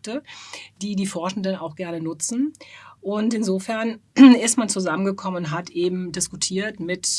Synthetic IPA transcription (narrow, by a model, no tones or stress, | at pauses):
təd̥iːdiːfɔɐʃn̩dənaʊxɡ̥ɛɐnənʊt͡sn̩ʔʊntɪnzoːfɛɐnɪstmant͡suzamənɡəkʰɔmənʊntɦatʔeːbm̩dɪskutʰiːɐtmɪt